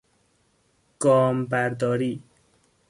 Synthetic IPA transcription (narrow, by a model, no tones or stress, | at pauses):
ɡ̥ɒːmbæɾd̪ɒːɾiː